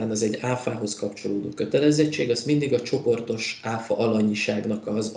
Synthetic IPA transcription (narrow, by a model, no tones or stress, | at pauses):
aːnɒzɛɟːaːfaːɦo̞skɒpt͡ʃo̞loːd̪oːkø̞t̪ɛlɛzɛt͡ʃːeːɡɒzmind̪iɡɒt͡ʃo̞po̞rt̪o̞ʃaːfɒ̰ʔɒlɒɲiʃaːɡnɒkɒz